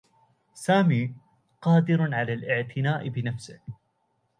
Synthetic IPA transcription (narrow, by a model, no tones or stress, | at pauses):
saːmiː | qɑːd̪ɪɾʕalaːlʔɪʕt̪ʰɪnaːʔbɪnafsɪh